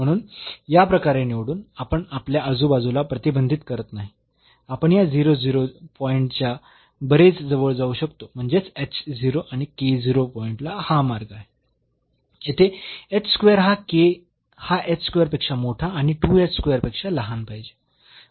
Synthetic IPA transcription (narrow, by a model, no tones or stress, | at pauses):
m̤əɽ̃uːnjapɾəkaɾeniʋɽuːnapəɳapljaəd͡zuːbad͡zulapɾət̪ibənd̪ʱit̪kəɾət̪naɦi | apəɳjad͡ziɾod͡ziɾopɔiɳʈt͡ɕja | bəɾet͡sd͡zəʋəɭd͡zauːɕəkt̪om̤əɳd͡zet͡seksd͡ziɾoʔaɽ̃iked͡ziɾopɔiɳʈlahamaɾɡaɦe | et̪ʰeet͡sskʋejəɾɦake | haʔet͡sskʋejəɾpekʂamoʈʰaːɽ̃iʈuet͡sskʋejəɾpekʂaləɦanpajd͡ʑe